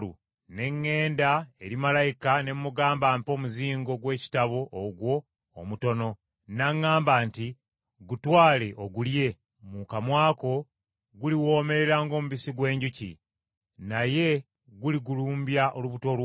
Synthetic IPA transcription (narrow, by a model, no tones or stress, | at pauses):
ṵ | ne̞ŋːe̞ːndae̞ɾimalajikane̞mːuɡaːmbaːmpo̞ːmuziːŋɡo̞ɡwe̞ːci̥taβo̞ʔːɡwo̞ː | muto̞no̞ | naŋːaːmbaːnti | ɡutwaːle̞ʔoɡulje̞ | mukamwaːko̞ | ɡuliwo̞ːme̞ɾe̞ɾaːŋɡo̞ːmuβisiɡwe̞ːɲɟucḭ | naje̞ | ɡuliɡuluːmbjaʔo̞luβuto̞lw